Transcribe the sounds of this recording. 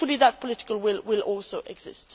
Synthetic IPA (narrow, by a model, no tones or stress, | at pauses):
fʊliðət̚pʰɔlɪtɪ̥kəlwɪlwɪlɔlˠsoʔɛɡzɪ̰st